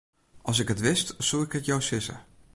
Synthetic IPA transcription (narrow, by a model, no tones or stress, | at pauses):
ʔɑlˠs̬ɪkətʋɪstsolˠɪkətjɔwsɪsə̰